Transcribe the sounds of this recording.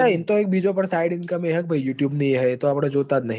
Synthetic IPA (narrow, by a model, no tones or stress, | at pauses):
aɪnt̪oeːk̚bʱiːd͡ʒõpɐɾsaːɪɖɪnkameɦək̚bʱɐijuːʈjuːbnɐĩɦɛɪt̪oɐpɽad͡ʒoːt̪anɐɦ